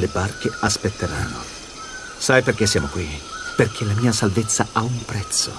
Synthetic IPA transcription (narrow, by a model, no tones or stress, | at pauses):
lebarkeaspet̪ʰːeɾanːo̰ | sajperk̟esːjaːmokwiperk̟ʰelamiːasalvet̪sːaaumpɾɛt̪sːo̰